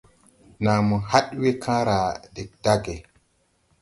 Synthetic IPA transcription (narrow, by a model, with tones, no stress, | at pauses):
na˨mɔ˨ha˦ɗwe˦kʰãː˦ɾa˨dɛ˨k̚d̥a˦ɡɛ˨